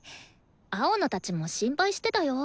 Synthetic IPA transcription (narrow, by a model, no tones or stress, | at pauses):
aonot̪at͡ɕimo̞ɕĩmpaiɕi̥t̪e̞t̪ajo̞